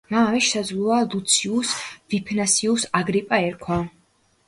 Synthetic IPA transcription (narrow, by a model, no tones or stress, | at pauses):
maːmɛʃɛsad̪zvlualut̪sʰiusvipʰnasiusaɡɾipʼaɛɾkʰwa